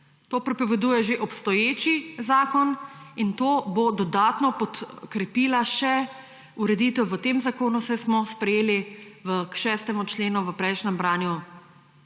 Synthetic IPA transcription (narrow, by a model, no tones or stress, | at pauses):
t̪oːpɾɛpɔʋɛd̪uːjɛʒeʔɔpst̪ɔjeːt͡ʃizaːkɔnint̪oːbod̪ɔd̪aːt̪nɔpɔt̪kɾɛpiːlaʃɛ | uɾɛd̪iːt̪ɛwʋət̪emzakoːnusɛsmɔspɾɛjeːliʋəkʃɛːst̪ɛmut͡ʃleːnuʋəpɾɛjʃnɛmbɾaːnju